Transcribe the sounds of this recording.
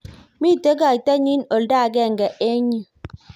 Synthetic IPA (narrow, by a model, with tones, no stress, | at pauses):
mi˦˨te˦ɡa˨i˨ta˦ɲi˦no˨lda˦˨ɡɛ˦˨ŋ˨ɡɛ˨ʔe˦ɲi˨